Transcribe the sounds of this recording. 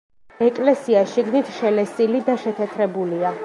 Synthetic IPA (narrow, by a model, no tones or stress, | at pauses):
ɛkʼlɛsiaʃiɡnit̪ʰʃɛlɛsilid̪aʃɛt̪ʰɛt̪ʰɾɛbulia